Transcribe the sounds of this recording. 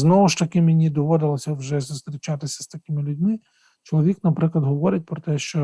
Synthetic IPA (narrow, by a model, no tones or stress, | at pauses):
znɔʋʊʃt̪ɐkɪmɪnʲid̪ɔʋɔd̪ɪlˠɔsʲɐwʒɛsʊst̪ɾʲɪt͡ʃat̪ɪsʲɐ̥st̪ɐkʲɪmɪlʲʊdʲmɪ | t͡ʃɔlˠɔʋʲiknɐpɾɪklˠɐd̪ɦɔʋɔɾɪt̚ʲpɾɔt̪ɛʃt͡ʃɔ